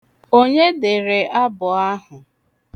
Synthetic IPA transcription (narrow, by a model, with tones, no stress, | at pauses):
o˦ɲe˦dɪ˨ɾe˨ʔa˦bʊ˨a˦ɦʊ˨